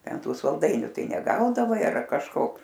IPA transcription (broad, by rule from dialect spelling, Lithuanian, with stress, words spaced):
ˈtʲɛn ˈtuː sɐlˠˈdɐɪnʲʊ ˈtɐɪ nʲɛˈɡɐʊdɐʋɐɪ ɐr kɐʃˈkoː